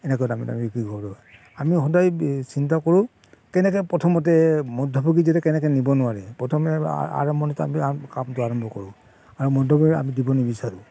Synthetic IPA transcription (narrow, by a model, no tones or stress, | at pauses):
ɛnɛkɔjtamita̰mikiɡʱɔbɹɔ | amixɔdajsintakɔɹũ | kɛnɛkɛpɹɔtʰɔmɔt̬ɛmɔdʱɔbʱɔɡizɛtɛkɛnɛk̬ɛnibɔnʊwaɹɛpɔtʰɔmɛ̰a̰ɹɔmbʱɔnita̰miakamtʊaɹɔmbʱɔkɔɹʊ̃ | aɹumɔdʱɔbɔɡia̰midibɔnibisaɹu